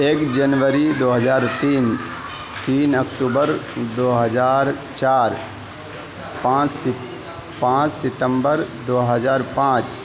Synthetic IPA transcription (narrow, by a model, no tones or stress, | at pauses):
eːkd͡ʒənʋəɾid̪oːɦəd͡ʒaːɾt̪iːn | t̪iːnəkʈuːbəɾd̪oːɦəd͡ʒaːɾ | t͡ʃaːɾ | pãːt͡ʃ | pãːt͡ʃsɪt̪ə̃mbəɾd̪oːɦəd͡ʒaːɾpãːt͡ʃ